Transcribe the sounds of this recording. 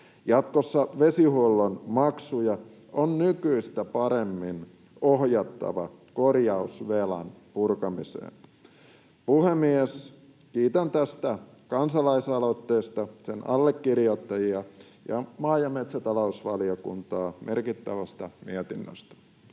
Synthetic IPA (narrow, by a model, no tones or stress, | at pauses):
jɑt̪kosːɑʋesihuolːonmɑksujɑ | onnykyist̪æpɑɾemːin | ohjɑt̪ːɑ̰ʋɑ̰korjɑusʋelɑ̰npurkɑmisḛːn | puhemies | kiːt̪ænt̪æst̪æ | kɑnsɑlɑisɑlot̪ːeːst̪ɑsenɑ̰lːekːirjot̪ːɑjiɑ | jɑmɑːjɑmet̪sæt̪ɑlousʋɑliokṵnt̪ɑːmʔerkit̪ːæʋæst̪ɑmiet̪inːø̰st̪æ̥